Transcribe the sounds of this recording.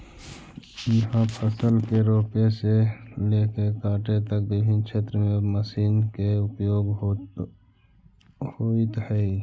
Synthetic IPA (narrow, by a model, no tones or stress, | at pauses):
jəɦãpʰəsəlkeɾoːpeseleːkekaːʈet̪ək̚bɪbʱɪnkʃʰeːt̪ɾəmẽməsiːnkeʊpjoːɡ | hoit̪hɛi